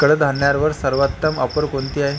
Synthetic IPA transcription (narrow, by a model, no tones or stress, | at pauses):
kəɽəd̪ʱanjaɾʋəɾsəɾʋət̪ːəmə̰pəɾkont̪iːaɦe